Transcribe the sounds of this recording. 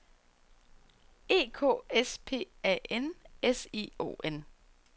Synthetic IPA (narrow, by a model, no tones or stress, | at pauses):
e̝̰ːkʰo̰ːespʰe̝̰ːɛ̰ʔenesḭo̝̰ːʔen